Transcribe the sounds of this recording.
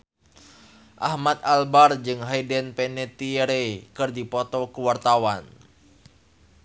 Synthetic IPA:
ʔahmat̪̚albard͡ʒɨŋɦajdɛnpɛnɛt̪iɾɛkɨrdipɔt̪ɔkuwart̪awan

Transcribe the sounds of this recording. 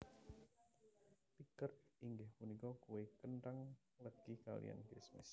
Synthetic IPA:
t̪ikəriŋɡɪhpunikɔkuwekənʈaŋ | ləɡ̥ika̰lḭja̰nɡɛsmɪ̰s

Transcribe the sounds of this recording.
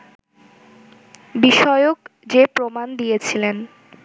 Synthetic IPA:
biʃɔeokd͡ʑepɾomand̪ijet͡ɕʰilen

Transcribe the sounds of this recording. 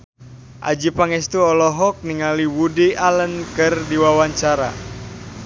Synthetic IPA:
ʔa̰d͡ʒipaŋɛst̪uɔlɔɦɔk̚niŋaliwudialənkɨrdiwawaɲt͡ʃaɾa̰

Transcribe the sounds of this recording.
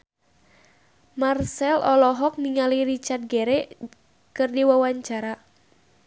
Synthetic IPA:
marsɛlɔlɔɦɔk̚niŋaliɾit͡ʃard̪̚ɡɛɾɛ | kɨrdiwawaɲt͡ʃaɾa

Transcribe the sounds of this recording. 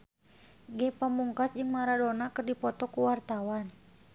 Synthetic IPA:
ɡɛpamuŋkasd͡ʒɨŋmaɾadonakɨrdipɔt̪ɔkuwart̪awan

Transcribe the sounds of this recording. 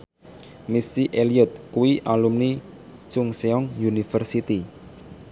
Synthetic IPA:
misiʔeliɔt̪̚kuwiʔalumni | t͡ʃuŋseɔŋjunifərsit̪i

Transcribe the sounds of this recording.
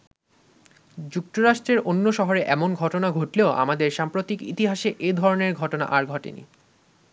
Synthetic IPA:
d͡ʑuk̚t̪oɾaʃʈɾeɾʔonːoʃɔɦoɾeʔɛmonɡʱɔʈonaɡʱoʈleoʔa̰mad̪eɾʃampɾot̪ikḭt̪iɦaʃeʔed̪ʱɔɾoneɾɡʱɔʈona̰ʔaɾɡʱɔʈḛnḭ

